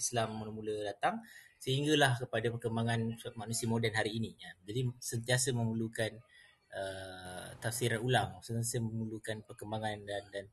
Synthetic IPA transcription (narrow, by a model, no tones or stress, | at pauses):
islamːənəmulədat̪aŋsəɦiŋɡəlahkəpadapərkəmbaŋansuat̪̚manusiəmodɛnɦaɾiːniad͡ʒadisənt̪iasəmə̃mulukan | ʔə | t̪afsiɾanulaŋsənt̪asəməmulukanpərkəmbaŋandandan